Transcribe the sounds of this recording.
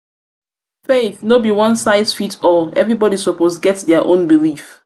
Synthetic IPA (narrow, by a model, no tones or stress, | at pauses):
feθnobiwʌ̃nsaɪsfitʰɔɛ̰vɹibɔɾi̥soposɡɛtðɛaʔõ̰nbilif